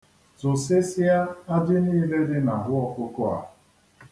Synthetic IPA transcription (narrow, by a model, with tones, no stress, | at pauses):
tʊ˨sɪ˦sɪ˦a˦a˦dɪ˦niː˦le˦dɪ˦na˨ɦʊ˦ɔ˦kʊ˦kʊ˦a̰˨